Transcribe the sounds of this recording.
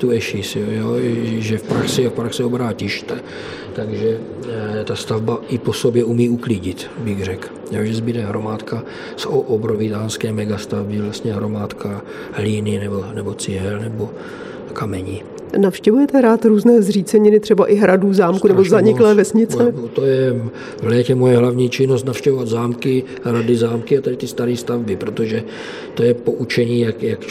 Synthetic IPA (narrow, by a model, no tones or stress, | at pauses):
t̪uɛʃɪsojoʒɛfpɾaxsɛfpɾaxsɛobɾaːcɪʃt̪a | t̪aɡʒɛ | t̪ast̪avbaʔɪposobjɛumiːukliːɟɪt̪ | bɪɣrɛk | joːʒɛzbɪd̪ɛɦɾomaːt̪ka | soʔobɾovɪt̪aːnskɛːmɛɡast̪avbɪvlast̪ɲɛɦɾomaːt̪kʰa | ɦliːnɪnɛbonɛbot͡sɪɦɛlnɛbo | kamɛɲi | nafʃcɛvujɛt̪ɛɾaːt̪ɾuːznɛːzr̝iːt͡sɛɲɪnɪt̪r̥ɛbaʔɪɦɾaduːzaːmkunɛbozaɲɪklɛːvɛsɲɪt͡sɛt̪ojɛ | vlɛːcɛmojɛɦlavɲiːt͡ʃɪnost̪nafʃcɛvovad̪zaːmkɪ | ɦɾadɪzaːmkɪat̪adɪt̪ɪst̪aɾiːst̪avbɪpɾot̪oʒɛ | t̪ojɛpoʔut͡ʃɛɲiːjakjak